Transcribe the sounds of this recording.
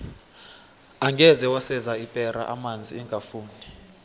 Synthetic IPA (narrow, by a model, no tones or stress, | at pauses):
aŋɡʱɛzɛwasɛzaipʼɛra̰ʔamand͡zʱiɛŋɡʱafuːndʱi